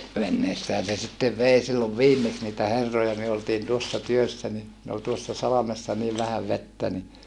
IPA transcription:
ʋenːeːsːæːn̞ se sitːeʋ ʋei silːoʋ ʋiːmːeks niːtæ herːojɑ myø oltiːn tuosːɑ tyøsːæ ni ne ol tuosːɑ sɑlɑmesːɑ niːʋ ʋæhæʋ ʋetːæ ni

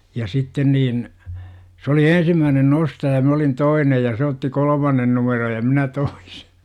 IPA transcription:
jɑ sitːen niːn s oli ensimːæːnen nostɑjɑ mæ olin toinej jɑ se otːi kolə̆mɑnːen numeroj jɑ minæ toi̥se̥

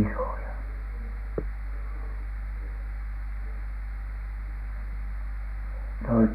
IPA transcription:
isoˑjɑ ne olit

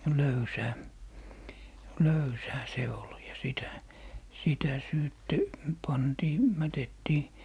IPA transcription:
løysæː løysæː se ol jɑ sitæ sitæ syːtːe pɑntiː mætetːiː

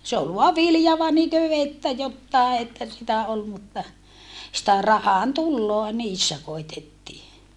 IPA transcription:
se ol ʋoɑ ʋiljɑ etːæ jotːɑˑe etːæ sitæ ol mutːɑ sĭtæ rɑhɑntulːoɑ niːsːæ koitːetːiː

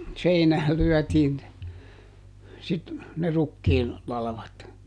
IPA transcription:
seinæːl lyœˑtiːn ne sit ne rukːiːn lɑlɑ̆ʋɑt

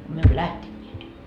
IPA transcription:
myø emːø læhtenʲːeːt

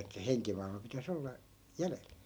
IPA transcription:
etːæ heŋkimɑilmɑ pitæs olːɑ jælel

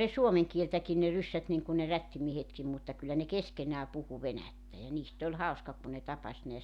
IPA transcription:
ne suomeŋ kieltækin ne rysːæt niŋku ne rætːimiehetkim mutːɑ kylːæ ne keskenæː puhu ʋenætːæ jɑ niːst olʲ hɑuskɑ kun ne tɑpɑs neæs

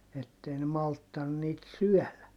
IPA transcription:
etːei ne mɑltːɑn niːt syœˑlæ

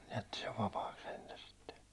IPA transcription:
jætːi seʋ ʋɑpɑːks̆ sentæ sitːe

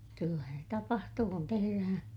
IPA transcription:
kylːæhæn se tɑpɑhtuː kun teheræhæ̃ː

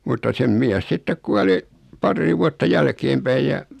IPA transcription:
mutːɑ sem miæs sitːek kuɑli pɑrːiː ʋuɑtːɑ jælkeːmpæij jɑ

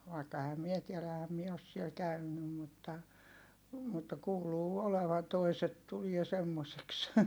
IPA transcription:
ʋɑikːɑ ehæm mie tielæ ehæm mie os siel kæynːym mutːɑ mutːɑ kuːluː oleʋɑn toiset tulie semːoseks

